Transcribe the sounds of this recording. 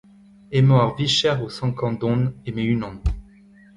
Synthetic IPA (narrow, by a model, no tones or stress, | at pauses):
emɔaʁviʃɛʁosɑ̃kɑ̃d̪ɔ̃nemeynɔ̃n